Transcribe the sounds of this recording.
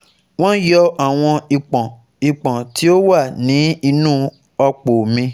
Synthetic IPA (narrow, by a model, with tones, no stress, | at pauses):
w̃ɔ̃˦jɔ˦a˨w̃ɔ̃˧i˨k͡pɔ̃˨ | i˨k͡pɔ̃˨ti˨˦o˦wa˦˨nĩ˨˦i˧nũː˦ | ɔ˧k͡po˨mĩ˧